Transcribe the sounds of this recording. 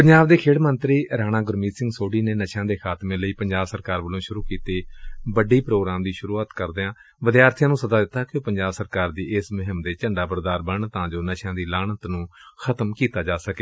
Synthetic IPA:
pəɲd͡ʒaːbd̪eːkʰeːɽmənt̪ɾiːɾaːnãːɡʊɾmiːsɪ̃ŋɡsoːɖiːneːnəʃãːd̪eːkʰaːt̪mẽːləiːpəɲd͡ʒaːbsəɾkaːɾʋəlõːʃʊɾuːkiːt̪eːbəɖiːpɾoːɡɾaːmd̪iːʃʊɾuːaːt̪kəɾd̪eːãː | ʋəd̪ijaːɾt̪ʰjãːnũːsəd̪aːd̪ɪt̪ːaːkjõːpəɲd͡ʒaːbsəɾkaːɾd̪iːɪsmʊɦɪmd̪eːt͡ʃəɳɖaːbəɾd̪aːɾbəɳt̪ãːd͡ʒoːnəʃãːd̪iːlaːɳət̪nũːxʰət̪mkiːt̪aːd͡ʒaːsəkeː

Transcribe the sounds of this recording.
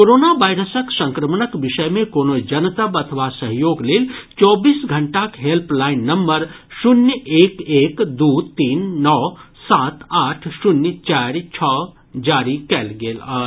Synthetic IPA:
koɾoːnabaɪɾəsəksə̃ŋkɾəmnəkbɪʃəjmẽkoːnod͡ʒənt̪əbɐt̪ʰəʋasəɦjoːɡleːlt͡ʃɔːbiːsɡʱəɳʈakɦelplaɪnːəmːəɾsunjəeːkeːkd̪ut̪iːnːɔːsaːt̪aːʈʰsunjt͡ʃaɾt͡ʃʰɔ | d͡ʒaɾikɛlɡeːləɦ

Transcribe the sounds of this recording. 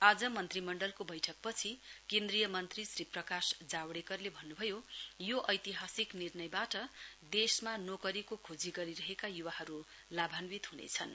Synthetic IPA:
ad͡zʌmʌnt̪rimʌɳɖʌlkobʌjʈʰʌk̚pʌt͡sʰikend̪rijʌmʌnt̪risriprʌkasd͡zawɽekʌrlebʱʌnːubʱʌjojoʔʌjt̪iɦasiknirnʌjbaʈʌd̪esmanokʌɾikokʰod͡ziɡʌɾiɾʌɦekajuwahʌɾu | labʱanbit̪ɦunḛt͡sʰʌn

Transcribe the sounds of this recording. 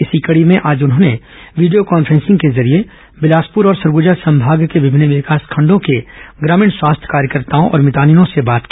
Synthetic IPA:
ɪsikɐɽimẽʔaːd͡ʒʊnɦõːne | ʋiːɖijokaːnfʰɾɛ̃nsɪ̃ŋɡkezɐɾie | bɪlaːspʊɾɔːɾsɐɾɡʊd͡ʒasɐ̃mbʱaːɡkeʋɪbʱɪnːʋɪkaːskʰɐ̃ɳɖõkeɡɾaːmiːɳswaːst̪ʰjkaːɾjəkəɾt̪aːõʔɔ̰ːɾmɪt̪aːninõsebaːt̪ki

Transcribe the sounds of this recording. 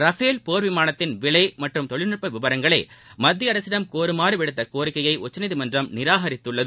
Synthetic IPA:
ɾɐfeːlpoːɾʋɪmaːnɐt̪ːɪnʋɪɭɐɪmɐʈrɯmt̪ɔɭɪnɯʈ̚pːɐʋɪʋɐɾɐŋɡɐɭeːmɐd̪ːɪɐɾɐsɪɽɐmkoːɾɯmaːɾɯʋɪɽɯt̪ːɐkoːɾɪkːɐjɐɪʔʊt͡ʃːɐnɪðimɐndrɐmnɪɾaːɦɐɾɪt̪ːɯɭːɐð

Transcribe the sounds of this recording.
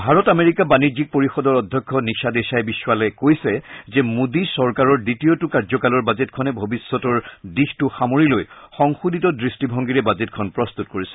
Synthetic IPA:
bʱaɹɔtameɹikabanid͡ʑik̚poɹixɔdɔɹɔdʱjɔkʰːɔniʃad̪esajbisːwalɛkojsɛzɛmudisɔɹkaɹɔɹditijotukaɹzɔkalɔɹbazetkʰɔnɛbʱobisːɔtɔɹdixtʊxamoɹilojxɔŋxuditɔdɹistibʱɔŋɡiɹɛbazetkʰɔnpɹɔst̪utkoɹisɛ̥

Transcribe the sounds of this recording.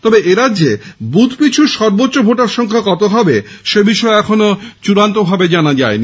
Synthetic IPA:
t̪ɔbeʔeɾadʑːebut̪ʰpit͡ɕʰuɾʃɔɾbotːɕobʱoʈaɾʃɔŋkʰakɔt̪oɦabe | ʃebiʃɔeɛkʰonot͡ɕuɾant̪obʱabed͡ʑanad͡ʑaen

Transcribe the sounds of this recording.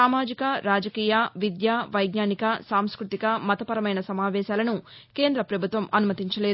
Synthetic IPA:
aːmaːd͡ʒikɐɾaːd͡ʒɐkiːjɐʋid̪jaːʋɐjɡnaːnikɐsaːmskɾut̪ikɐmɐt̪ɐpɐɾɐmɐjnɐsɐmaːʋɛːʃaːlɐnuke̞ːnd̪ɾɐpɾɐbʱut̪ʋɐmɐnumɐt̪iɲt͡ʃɐleː

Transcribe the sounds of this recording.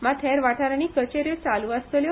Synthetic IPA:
mãt̪ʰɛɾʋaʈʰaɾanikət͡ʃeɾjot͡saluast̪əljo

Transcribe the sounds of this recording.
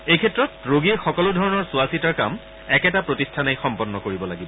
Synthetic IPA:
ejkʰɛtɹɔtɹoɡiɹxɔkɔlʊdʱɔɹɔnɔɹsuasitaɹka̰m | ɛkɛtapɹotistʰanejxɔmpɔnːɔkoɹibɔlaɡibɔ

